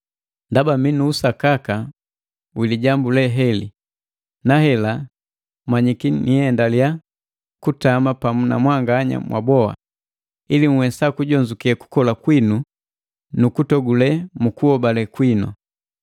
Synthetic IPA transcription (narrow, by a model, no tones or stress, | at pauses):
ndabaminuːsakaka | wiliɟambulɛɦɛli | nahɛla | maɲikiniɛndalija | kutamapamuna̰mwaŋɡaːɲa̰mwʔa̰bɔa̰ | iliŋ̩wɛsakuɟɔɲd͡ʒukiɛku̥kɔlakwinu | nukutɔɡulɛmukuɔbalɛkwinɔ̰